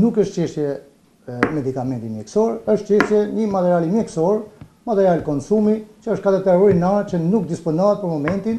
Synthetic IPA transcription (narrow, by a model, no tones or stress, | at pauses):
nukəʃt̪t͡ɕɛʃt̪jɛ | mɛd̪ikamɛ̃nt̪imjɛksɔɾəʃt̪t͡ɕɛʃt̪jɛɲəmat̪ɛɾialimjɛksɔɾ | mat̪ɛɾialkɔnsumit͡ʃəəʃtkad̪ɛt̪ɛɾɔjnaɾt͡ʃənukd̪ispɔnɔɦat̪̚pəɾmɔmɛnt̪in